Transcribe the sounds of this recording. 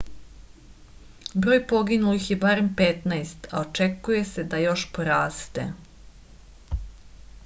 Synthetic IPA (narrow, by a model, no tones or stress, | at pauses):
bɾoːjpo̞ɡinulixje̞baɾe̞mpet̪najst̪a̰ot͡ʃekuje̞se̞d̪ajo̞ʃpoɾaːst̪ḛ